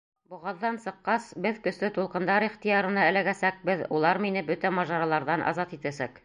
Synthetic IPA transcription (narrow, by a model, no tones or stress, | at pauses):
buʁɑðːɑnsɤ̆qːɑsbɘðkɵ̆slɘt̪ulˠqɤ̆nd̪ɑɾiχt̪ijɑɾɤ̆nɑælæɡæsæk̚bɘðulˠɑɾminɘbɵt̪æmɑʒɑɾɑlˠɑɾðɑnʔɑ̰zɑt̪it̪æsæk